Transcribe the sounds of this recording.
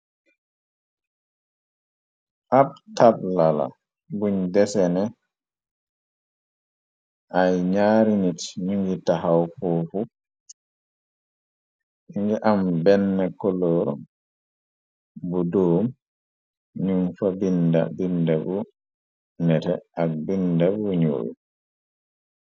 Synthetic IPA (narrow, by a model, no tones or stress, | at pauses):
ʔabtablala̰ | buɲdɛsɛnɛ | ʔajɲaːɾinitɲuŋɡitaɦawfɔfu | iŋɡɛʔambɛnːɛkɔlɔɾɔ | budoːm | ɲunfabinda̰bindabu | nɛtɛak̚bindabuɲo̰ːwu